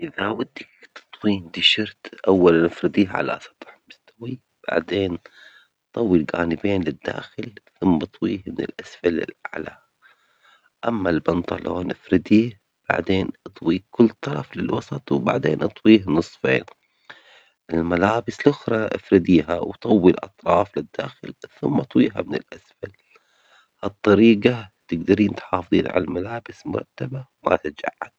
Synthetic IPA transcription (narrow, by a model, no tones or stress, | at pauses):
ʔɪðawad̪ːakt̪ɨ̥t̪ˤwiːnd̪ɪʃɑɾt̪ʔawːalanʔɪfɾɪd̪iːhʕa̰la̰sɑ̥t̪ˤħmɪst̪awi | b̥a̰ʕd̪eːn | t̪ˤːɑwːilɡa̰ːnɪbeːnlɪd̪ːa̰ːxɪlθʊmbɨt̪ˤwiːhnɪ̰lʔasfalɪ̰la̰ʕla̰ | ʔamːalbɑnt̪ˤɑ̰lʔoːnʔɪfɾɪd̪iːh | b̥a̰ʕd̪eːnʔɨt̪ˤwiːkʊlːt̪ˤːɑɾˤɑflɪlwɑsˤɑt̪ˤwba̰ʕd̪ḛːnʔɨt̪ˤwiːhnɨsˤfḛːn | ʔɪlmalaːbɪslʔʊxɾˤɑʔɪ̰fɾɪd̪iːɦawt̪ˤɑwːilʔɑ̰t̪ˤɾˤɑːflɪd̪ːa̰ːxɪlθʊmːɑt̪ˤwiːɦamɪnɪ̰lʔasfal | hɑt̪ˤːɑɾiːɡat̪ɪɡd̪aɾiːnt̪ħɑːfðˤḭːnʕa̰lalmalaːbɪsmʊ̰ɾˤɑ̰t̪ːabawma̰t̪ad͡ʒa̰ʕːad̪̥̚